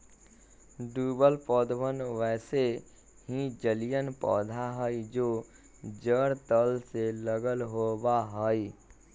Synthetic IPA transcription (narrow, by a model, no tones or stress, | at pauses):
ɖuːbəlpɔːd̪wənʋɛːse | ɦid͡ʒəlijənpɔːd̪ʱaɦəid͡ʒoː | d͡ʒəɽt̪əlseləɡəlɦoːbaɦəi